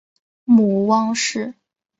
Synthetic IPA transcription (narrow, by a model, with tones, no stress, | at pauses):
mu˧˥wɑ˥ŋʂɻ̩˥˩